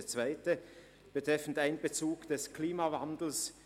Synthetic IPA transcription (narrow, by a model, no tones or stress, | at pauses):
t͡sv̥aɪtə | b̥ətʁ̥ɛfn̩taɪnbət͡suːɡd̥ɛskʰliːmavandl̩s